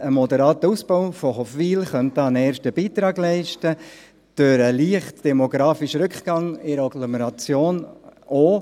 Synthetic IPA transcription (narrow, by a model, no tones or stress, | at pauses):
əmɔdəɾɑːt̪əusb̥oʊfɔɦɔfviːlχœnt̪əɑnɛːɾʃtəbiːtɾɑːɡlɛɪʃtə | d̥øɾəliəχtd̥ɛmoɡɾɑːfiʃɾʏkχɡ̥ɑŋɪɾɑɡloməɾɑt͡sjoːno